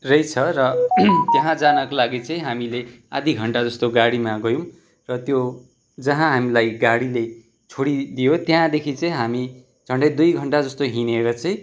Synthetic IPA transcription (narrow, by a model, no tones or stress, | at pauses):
rʌjt͡sʰʌɾʌt̪jʌɦãd͡zanʌkolaɡit͡sʌĩɦamilead̪ʱiɡʱʌɳʈad͡zʌst̪oɡaɽimaɡʌjõ | rʌt̪jo | d͡zʌɦãɦamilajɡaɽile | t͡sʰoɽid̪ijot̪jɦãd̪ekʰit͡sʌĩɦami | d͡zʱʌɳɖʌjd̪ujɡʱʌɳʈad͡zʌst̪oɦineɾʌt͡sʌĩ